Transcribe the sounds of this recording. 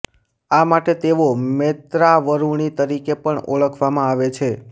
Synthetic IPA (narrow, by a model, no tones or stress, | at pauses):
amaʈet̪eʋomet̪ɾaʋəɾuɳ̃it̪əɾikepəɳo̰ɭəkʰʋamãaʋet͡ʃʰe